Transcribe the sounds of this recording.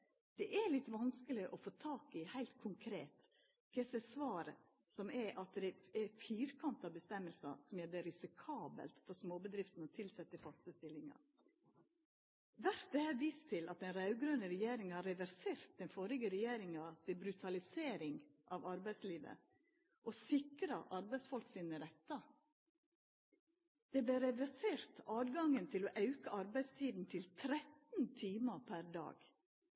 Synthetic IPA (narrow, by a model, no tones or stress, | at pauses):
d̪̥ɛʔɛlɪt̪ːʋɑnskəlɪʔɔfoːt̪ʰɑːkɪhæɪlt̪kʰʊŋkʰɾeːt̪ | kʰɛsɛsʋɑːɾə | sɔmɛʔɑt̪̚d̪ɛɛfiːɾkʰɑnt̪ɑbəst̪ɛmːəlsɑ̰sɔmæd̪ɛɾɪsɪkʰɑːbə̰lt̪fɔɾsmoːbəd̪ɾɪft̪n̩ɔt̪ʰɪlsɛt̪ːəfɑst̪əst̪ɪlːɪŋɑ̰ | ʋæɾt̪̚d̪ɛhæːʋiːst̪ʰɪlʔɑt̪̚d̪ɛnɾɑʉɡɾønəɾɛjeːɾɪŋhɑɾɛʋæɾseːɾt̪̚d̪ɛnfɔɾɪɡəɾɛjeːɾɪŋɑsɪbɾʉt̪ʰɑlɪseːɾɪŋʔɑʋɑɾbæɪsliːʋə̰ | ʔɔsɪkɾəʔɑɾbæɪsfɔlksiːnəɾɛt̪ːɑ | d̪̥ɛblɛɾɛʋæseːɾt̪ʰɑːd̪ɡɑŋənt̪ʰɪlɔʔɑʉkəʔɑɾbæɪst̪ʰiːd̪n̩t̪ʰɪlt̪ʰɾɛt̪n̩t̪ʰiːməpʰæɾd̪ɑ̰ːɡ̥